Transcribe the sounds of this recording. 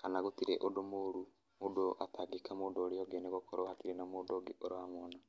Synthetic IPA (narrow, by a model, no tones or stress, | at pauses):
kanaɣotiɾeʔodomoːɾu | modoʔa̰taɡikamoːndoːɾejɔɡeneɣokoɾohatiɾenamoːndoɡeʔoɾowamwɔna